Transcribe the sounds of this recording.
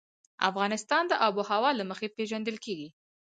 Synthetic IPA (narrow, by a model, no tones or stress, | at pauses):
a̰fɣɑnɪst̪ɑnd̪əʔɑbohawɑlaməxepeʒand̪əlkeɡi